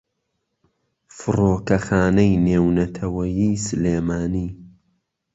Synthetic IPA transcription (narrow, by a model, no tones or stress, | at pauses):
fɨroːkɐxaːnɐjneːwnɐt̪ʰɐwɐjiːsɨleːmaːniː